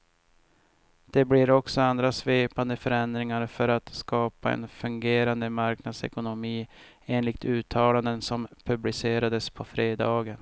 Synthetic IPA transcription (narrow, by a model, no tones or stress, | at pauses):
d̪̥ɛblɪɾɔksɔand̪ɾasveːpand̪əfœɾɛnd̪ɾɪŋaɾfœɾat̪skɑːpaɛ̰nfɵŋɡeːɾand̪əmaɾknad̪sɛ̰kʊnʊmiː | eːnlɪk̚t̪ʰʉ̟ːt̪ʰːɑːland̪ənsɔmpʰɵblɪseːɾad̪əspʰɔfɾeːd̪ɑːɡən